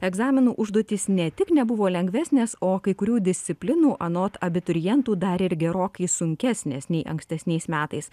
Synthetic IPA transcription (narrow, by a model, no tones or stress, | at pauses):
ɛɡzɑːmʲɪnuːʔʊʒd̪oːt̪ʲiːsnʲɛt̪ʲɪknʲɛbʊʋoːlʲɛŋʲɡʋʲæːsʲnʲeːsoːkɐɪkʊɾʲuːd̪ʲɪsʲt̪sʲɪpʲlʲɪnuːʔɐnoːt̪ɐbʲɪt̪ʊɾʲɪjɛnt̪uːd̪ɐɾɪɾɡʲɛɾoːkɐɪsʊŋʲkʲæsʲnʲeːsnʲɛɪʔɐ̰ŋksʲt̪ʲɛsʲnʲɛɪsmʲæːt̪ɐɪs